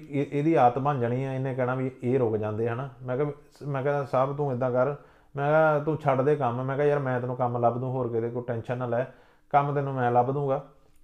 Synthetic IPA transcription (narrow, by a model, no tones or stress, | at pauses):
eːd̪iːaːt̪bə̃nd͡ʒəɳiːɛ̃ːɪnẽːkɛːnaːʋieːɾoːkd͡ʒãːnd̪eːɦənːmɛ̃ːkɛː | mɛ̃ːkɛsəbt̪ũːɪd̪ãːkəɾ | mɛ̃ːkɛːt̪ũːt͡ʃʰəɖd̪eːkəmmɛ̃ːkɛːjəːɾmɛ̃ːt̪ɪnũːkəmləbd̪ũːɦoːɾked̪eːkoʈɛːnʃənəlɛː | kəmt̪ɪnũːmɛ̃ːləbd̪ũːɡaː